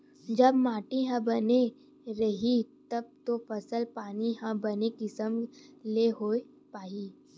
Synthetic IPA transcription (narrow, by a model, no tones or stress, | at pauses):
d͡ʒɐbmaːʈiɦãbɐne | ɾɐɦit̪ɐb̚t̪ofɐsəlpaːniɦãbɐnekɪsəmleɦoe | paːiː